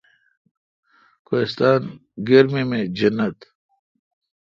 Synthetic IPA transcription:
koist̪aːnɡɐɾmemẽd͡ʑɐnːɐt̪

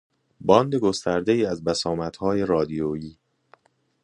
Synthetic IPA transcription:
bɒːnd̪e̞ɡo̞st̪æɾd̪e̞iːæzbæsɒːmæt̪hɒːje̞ɾɒːd̪ijojiː

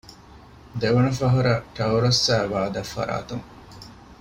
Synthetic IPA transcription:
d̪eʋɐnɐfɐɦuɾɐʈɐwɾosːæːʋaːd̪ɐfːɐ̰ɾa̰ːt̪uŋ

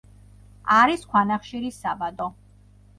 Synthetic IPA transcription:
aɾiskʰwanaχʃiɾisabad̪ɔ

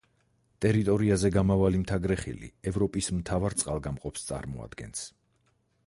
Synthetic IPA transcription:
t̪ʼɛɾit̪ʼɔɾiazɛɡamavalimt̪ʰaɡɾɛχḭlḭɛvɾɔpʼismt̪ʰavaɾt̪sʼqʼalˠɡamqʼɔpst̪sʼa̰ɾmɔa̰d̪̥ɡɛ̰ns

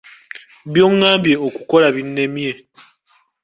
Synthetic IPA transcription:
bjoŋːambjeoku̥kolaβinːemie

